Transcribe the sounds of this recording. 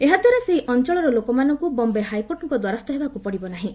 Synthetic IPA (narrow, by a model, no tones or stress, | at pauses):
eɦad̪waɾaseiʔɔnt͡ʃɔɭɔɾɔlokɔmanɔŋkubɔmbeɦajkoɾʈɔŋkɔd̪waɾɔst̪ɔɦebakupɔɽibɔnaɦĩ